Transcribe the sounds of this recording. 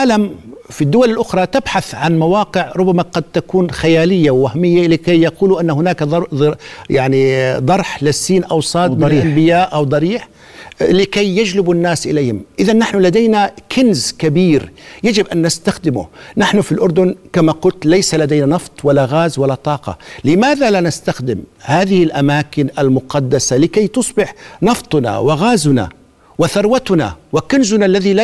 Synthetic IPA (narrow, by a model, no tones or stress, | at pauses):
ʕaːlamfid̪ːʊwalɪlʔʊxɾˤɑt̪ɪbħaθʕanmawɑaːqɪʕɾˤʊbːamaqɑd̪̚t̪akuːnxajaːlɪjːawːahmɪjːalɪkajjɑquːluʔanːahʊnaːk̪ˤɑjaʕnid̪ˤɑɾˤħlɪsːiːnʔawsˤɑːtmːʔambɪjaːʔʔawd̪ˤɑɾiːħ | lɪkajːad͡ʒlɪbʊnːaːsʔɪlejːhɪmʔɪðanːaħnʊlad̪ajnakʰɪnzkabiːɾjad͡ʒɪbʔanːast̪axd̪ɪmʊ̰naħnʊfilʔʊɾˤd̪ʊnkamaqʊlt̪lajsalad̪ajnanɑft̪ˤwalːaɣaːzwalːat̪ˤɑːqɑ̰lɪmaːðalanast̪axd̪ɪmhaːðɪhɪlʔamaːkɪnʔalmʊqɑd̪ːasalɪkajt̪ʊsˤbɪħnɑft̪ˤna̰wɪɣaːzʊna̰ | wɪθɑɾˤwat̪na̰wɪkɪnzʊnalːaðila